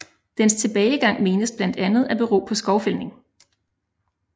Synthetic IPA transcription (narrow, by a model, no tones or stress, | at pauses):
d̥enst͡sʰe̝b̥ɛːɪɡ̥ɑ̈ŋ̰me̝ːnəsb̥lænd̥ænð̩ˠæb̥e̝ʁo̝̰ːpʰɒ̽sɡ̥ɒʊfelne̝ŋ